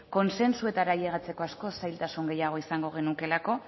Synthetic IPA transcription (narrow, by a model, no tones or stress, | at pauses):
ko̞nse̞nsue̞t̪aɾaʎeɣat͡se̞ko̞asko̞sajlt̪asuŋɡe̞jaɣ̞o̞isaŋɡo̞ɣ̞e̞nuke̞lako̞